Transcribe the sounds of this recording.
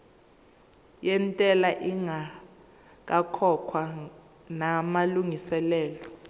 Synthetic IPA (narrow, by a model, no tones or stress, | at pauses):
jɛntʼɛlaʔiŋa | k̬akʰɔkʰwa | namaluŋisɛlɛːlɔ